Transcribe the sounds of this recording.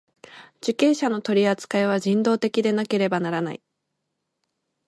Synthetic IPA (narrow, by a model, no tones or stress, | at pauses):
d͡ʑ̥ɨkẽ̞ːɕano̞t̪o̞ɾʲiat͡sɨ̥kaeβ̞aʑĩnd̪o̞ːt̪e̞kʲid̪e̞nake̞ɾe̞banaɾana̰i